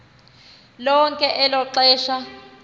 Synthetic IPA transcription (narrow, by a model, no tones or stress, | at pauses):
lɔŋkʼɛʔɛlɔǁɛːʃa